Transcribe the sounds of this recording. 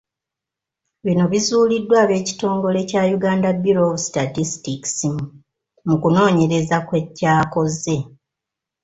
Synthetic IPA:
βino̞βizuːlidːwaːβe̞ːci̥to̞ːŋɡo̞le̞caːjuɡaːndabːiɾo̞βusi̥tatistiki̥si | mukuno̞ːɲe̞ɾe̞zakwe̞cːaːko̞ze̞

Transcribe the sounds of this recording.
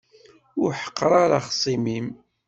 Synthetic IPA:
ʊɾħə̥qːɾˤaɾˤa̰χsˤimim

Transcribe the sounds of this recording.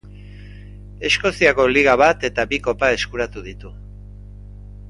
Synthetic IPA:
e̞sko̞siako̞liɣ̞aβat̪e̞t̪aβiko̞pae̞skuɾat̪uðit̪u

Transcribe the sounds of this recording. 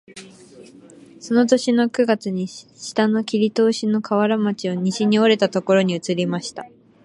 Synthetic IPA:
so̞no̞t̪o̞ɕino̞kɯ̟ɡat͡sɨɲ̟iɕi̥t̪ano̞kʲiɾʲit̪o̞ːɕino̞kaβaɾamat͡ɕioɲ̟iɕiɲ̟io̞ɾe̞t̪at̪o̞ko̞ɾo̞ɲ̟iɯ̟t͡sɨɾʲimaɕi̥t̪a

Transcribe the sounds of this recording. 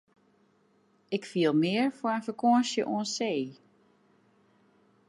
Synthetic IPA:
ɪkfiəlˠmɪəɹfoəənfəkʰoəsjə̰ʔuənseː

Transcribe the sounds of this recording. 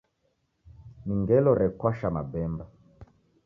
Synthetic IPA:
miŋɡɛlɔɾɛkwaʃama̰bɛmba

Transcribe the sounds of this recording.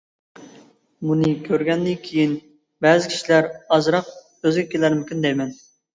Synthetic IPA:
munɨkʲʰøɾɡʲɛnd̪ɪkʲʰejin | bɛːzɪkʲʰi̥ʃilæɾɑzɾɑq̚ | øzɡʲɛkʲʰelæɾmɪkʲynd̪ɛjmɛn

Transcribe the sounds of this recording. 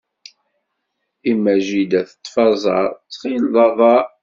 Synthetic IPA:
imːæʒid̪æθə̥t̪ˤːfɑzˤɑ̰ɾˤt͡sːχilðˤɑðˤɑ

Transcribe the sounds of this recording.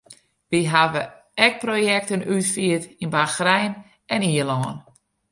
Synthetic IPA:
ʋiɦaʋə | ɛk̚projɛk̚tənytfiətinbaxrɛjn | ɛniəlɔːn

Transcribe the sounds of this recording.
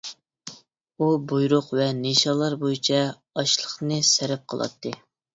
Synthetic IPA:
ubojɾʊqvɛniʃɑlˠːɑɾbojit͡ʃʰɛ | ɑʃlˠəχnɨsɪɾɪp̚qʰəlˠɑ̰t̪ʰːɨ

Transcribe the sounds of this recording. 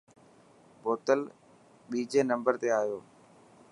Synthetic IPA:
boːt̪əl | ɓiːd͡ʒeːnə̃mbəɾt̪eːaːjoː

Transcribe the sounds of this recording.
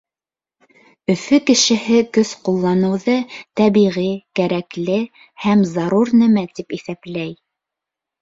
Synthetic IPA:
ɵ̆fɵkɘ̆ʃɘ̆ɦɘkɵsqulˠːɑnɤ̆wðɤt̪æβiʁikæɾæklɘ | hæmzɑɾuɾnɘmæt̪ipiθæplæj

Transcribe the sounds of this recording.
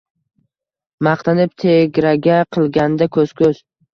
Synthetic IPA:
mɑqt̪ʰanɪp̚t̪ʰeɡʲɾaɡʲaqʰɨlˠɡʲand̪akʰɵz̥kʰɵz̥

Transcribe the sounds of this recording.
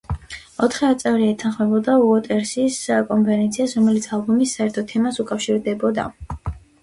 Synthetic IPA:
ɔt̪ʰχɛɔt̪sʼɛvɾiɛt̪ʰanχmɛbɔd̪auɔt̪ʼɛɾsiskʼɔmpʰɛɾɛnt̪sʰiasɾɔmɛlit̪sʰalˠbumisːaɛɾt̪ʰɔt̪ʰɛmasukʼafʃiɾd̪ɛbɔd̪a̰

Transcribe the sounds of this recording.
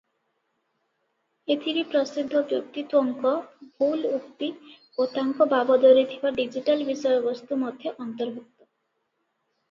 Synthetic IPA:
et̪ʰiɾipɾɔsid̪ʱːɔbjo̰k̚t̪it̪wɔŋkɔbʱuwlukt̪i | ot̪aŋkɔbabɔd̪oɾit̪ʰibaɖid͡ʒiʈalbisɔjɔbɔst̪umɔd̪ʱjeʔɔnt̪ɔɾbʱuk̚t̪ɔ

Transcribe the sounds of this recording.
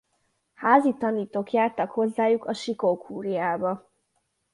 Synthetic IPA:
haːzit̪ɒniːt̪oːkjaːrt̪ɒkho̞zːaːjukʰɒʃikokhuːɾijaːbɒ

